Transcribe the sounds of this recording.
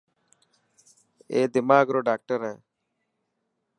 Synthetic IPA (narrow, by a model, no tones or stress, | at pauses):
eːd̪ɪmaːɡɾoːɖaːk̚ʈəɾɦɛː